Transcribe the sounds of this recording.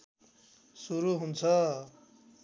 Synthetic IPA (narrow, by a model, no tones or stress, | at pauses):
suɾuɦunt͡sʰʌ